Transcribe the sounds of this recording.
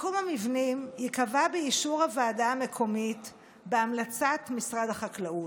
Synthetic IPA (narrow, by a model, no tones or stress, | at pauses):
kumamivnimjikavabeiʃuʁhavaːdaame̞kʰo̞mit | beamlat͡satmisʁadhaχaklaut